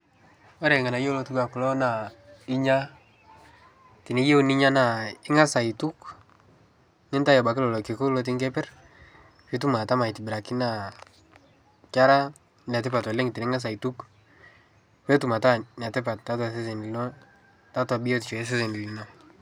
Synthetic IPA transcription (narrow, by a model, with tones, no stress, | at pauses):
ɔ˦ɾɛ˨ŋa˨na˨jo˦lo˧tu˦ɡa˨kʊ˨lɔ˦na˨ɪ˦ɲa˦ | ti˨ni˦je˦wni˦ɲa˦na˨ɪ˦ŋa˦sa˨i˨tu˦k | ŋɪ˦nta˦jɔ˨ba˨kɪ˦lɔ˨lɔ˨ki˨ko˦lɔ˦t̬ɪ˦ŋɡɛ˦pɛ˦r | fi˦tu˦ma˨ta˦ma˨i˨tɪ˨bɪ˨ɾa˨ki˦na˦˨ | t͡ʃa˦ɾa˦ | na˨t̬ɪ˦pa˨twa˨le˦ŋɪ˨ti˨nɪ˦ŋa˦s̬a˨i˨tu˦k | we˦tu˨ma˨ta˦ɲa˨tɪ˦pa˨t̚ta˦ts̬e˦s̬e˨n˨˦nɔ˦ | ta˦ta˨bi˦jo˦tt͡ʃɔ˨˦s̬e˦se˨ni˨li˨nɔ˦